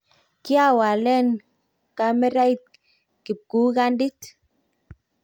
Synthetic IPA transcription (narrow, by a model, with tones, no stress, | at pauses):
ki˦a˦wa˨le˦n | ka˦me˦ɾa˦i˦t̪̚ | ki˨p̚ku˦ɡa˦ndi˦t̪